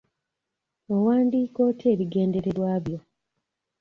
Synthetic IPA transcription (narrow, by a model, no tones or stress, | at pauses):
owaːndiːko̞tʰeːβiɡe̞ːnde̞ɾe̞ɾwaːβjo̞